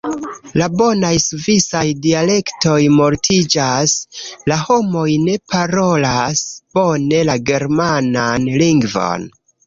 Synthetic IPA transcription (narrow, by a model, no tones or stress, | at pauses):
labo̞najsuvisajdiale̞kto̞jmo̞ɾtʰid͡ʒaslaho̞mo̞jne̞pʰaɾo̞lasb̥o̞ne̞laɡe̞ɾmananliŋɡvo̰n